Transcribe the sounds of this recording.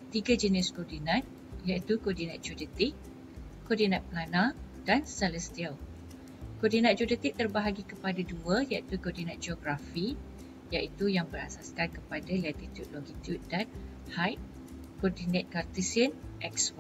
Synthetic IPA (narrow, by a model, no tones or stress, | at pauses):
t̪iɡad͡ʒənɪskɔrdinãt̪̚ | jait̪ukɔrdinat̪̚d͡ʒudət̪ɪk | kːɔrdinãt̪̚planã | d̥ansɛlɛst̪ial | kɔrdinãt̪̚d͡ʒudət̪ɪk̚t̪ərbaɦaɡikəpadaduəjait̪ukɔrdinãt̪̚d͡ʒɔɡɾafi | jaʔit̪ujaŋbəɾa̰saskankəpadalat̪it̪jud̚lɔɡit̪jud̚dan | hajp̚ | kɔrdinẽt̪̚kart̪isiənʔɛkswa